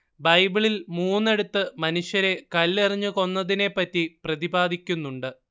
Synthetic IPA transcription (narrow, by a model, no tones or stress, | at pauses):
bɐjbiɭilmuːnːe̞ɽut̪ːɨmɐnuɕjɐɾe̞kɐlːirɐɲːuko̞nːɐðine̞pːɐtːiprɐðibaːd̪ʱikʲːunːuɳɖɨ